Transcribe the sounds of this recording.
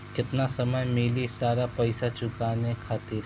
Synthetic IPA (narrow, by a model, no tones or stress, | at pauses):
kɪt̪nasɐməjmɪlisaːɾapɐɪsat͡ʃʊkaːnekʰaːt̪ɪɾ